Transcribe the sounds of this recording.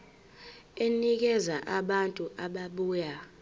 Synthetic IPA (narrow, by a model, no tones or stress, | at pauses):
enik̬ɛzaʔaɓantʼuʔaɓaɓuːja